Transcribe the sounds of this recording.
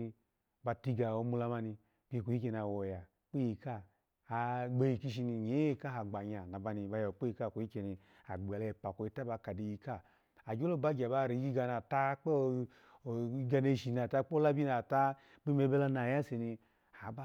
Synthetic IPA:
ba˧ti˧ɡa˨o˧mu˧la˧ma˧ni˧ | b̥i˦˨ko˨i˦ke˧n˨a˨wo˨ja˨ | k͡pi˦ji˧kaː˦˧ | ɡ͡be˧ji˧ki˧ʃ̬i˧ni˧ɲe˨˦ka˦ɦa˨ɡ͡ba˨ɲa˨na˨ba˧ni˧ba˧ja˨k͡pe˦i˧ka˦˨ko˨˦i˦ke˧ni˧ | a˨ɡ͡ba˨le˧˨pa˨ko˧i˧ta˦ba˧ka˨de˧˨ji˧ka˦ | a˨d͡ʒo˦lo˦˨ba˦ɡʲa˨ba˧ɾi˨˦ɡi˦ɡa˧na˨ta˦k͡pe˦˨˦ | ɡa˧ne˧˨ʃi˨na˨ta˦k͡pːla˦bi˦na˨ta˦ | k͡pi˦me˧˦be˦la˦˧na˨ja˦se˨ni˧ | a˨˦ba˦

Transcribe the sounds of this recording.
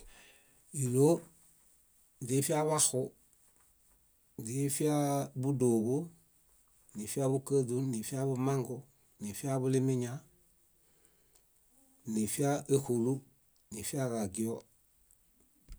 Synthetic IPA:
i˨lo˦ | di˨˦fi˦a˦βa˦xʊ˦ | di˨fi˦a˦bu˦do˨bu˦ | ni˨fi˦a˦bu˦kə˦du˦ni˨fi˦a˦bu˦ma˦ŋɡo | ni˨fi˦a˦bu˦li˦mi˦ɲa | ni˨fi˦a˦ʔe˦hu˨lu˦ | ni˨fi˦a˦ɡa˨ɡi˨o

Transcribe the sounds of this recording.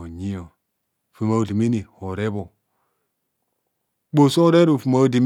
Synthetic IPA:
o˨ɲi˦o˨ | fi˨ma˨˦˨di˨mi˦ni˨ho˨ɾe˦bo˨ | bo˨so˦ɾe˦ɾu˨fi˨ma˦u˦di˨m

